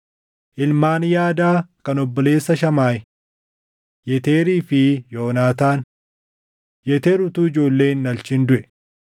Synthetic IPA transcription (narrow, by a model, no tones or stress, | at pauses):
ʔɪlmaːnjaːd̪aːkɐnɔbːɔle̞ːsːɐʃɐmaːj | jɛt̪eːɾiːfɪjo̞ːnaːt̪aːn | jɛt̪eːɾʊt̪uːɪd͡ʒo̞ːlːe̞ːnːɐlt͡ʃɪnd̪ʊʔɛ